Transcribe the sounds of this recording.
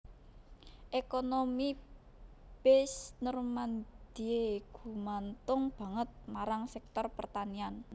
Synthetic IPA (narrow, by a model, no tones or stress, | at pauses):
ʔekonomi | b̥esnərmand̪̥ieɡ̥ṳmant̪ʊŋb̥a̤ŋət̪̚maɾaŋsɛk̚t̪ɔrpərt̪anian